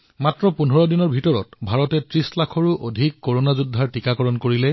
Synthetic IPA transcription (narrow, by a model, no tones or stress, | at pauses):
matɹɔpunɦɔɹɔdinɔɹbʱitɔɹɔtbʱaɹɔtɛtɹislakʰɔɹuʔodʱikːoɹonazudʱːaɹtikakɔɹɔnkoɹilɛ